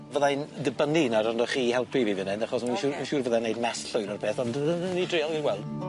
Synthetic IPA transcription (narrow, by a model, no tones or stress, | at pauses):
vəðandəbəninaɾɔndɔχiːhɛlˠpʰiviːvɪnɨndaχɔsminʃuminʃuːrvəðanejdmɛsɬʊjnɔrpʰeːθɔndðnidrɪɔlˠɡinɡwɛlˠd̥